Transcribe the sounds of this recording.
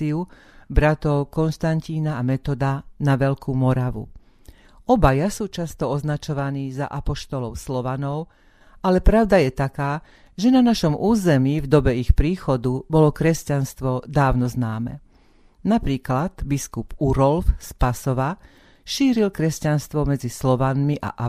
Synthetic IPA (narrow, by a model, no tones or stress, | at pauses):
iu | bɾat̪ɔʊkɔnʃt̪anciːnaːmɛt̪ɔd̪anaʋɛʎkuːmɔɾaʋṵ | ɔbajasuːt͡ʃast̪ɔɔznat͡ʃɔʋaniːza̰ʔapɔʃt̪ɔlɔʊslɔʋanɔʊ | alɛpɾaʊd̪ajɛt̪akaː | ʒɛnanaʃɔmʔuːzɛmiːvd̪ɔbɛixpɾiːxɔd̪ubɔlɔkɾɛscanst̪ʋɔd̪aːʊnɔznaːmɛ̰ | napɾiːklad̪biskupuɾɔlfspasɔʋa | ʃiːɾilkɾɛscanst̪ʋɔmɛd͡zislɔʋanmiʔa̰ʔa